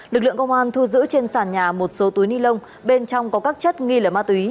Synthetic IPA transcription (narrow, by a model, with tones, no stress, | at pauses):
lɨ˨˩k̚lɨ̰˧˨əŋkə˧ŋ͡mʔaː˧nt̪ʰu˧zɨ̰˧˥t͡ɕe˧nsaː˧˩nɲaː˨˩mo˨˩t̚so˨˦t̪u˨˦jni˧lə˧wŋ͡m | ɓe˧nt͡ɕɔ˧wŋ͡mkɔ˨˦kaː˦˥k̚t͡ɕə˦˥t̚ŋi˧ləː˨˩maː˦˥t̪wi˨˦